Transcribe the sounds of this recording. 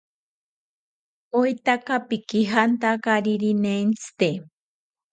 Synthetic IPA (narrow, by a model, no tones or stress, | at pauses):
ojt̪akapikiɦant̪akaɾiɾinent͡sʰɨ̥t̪e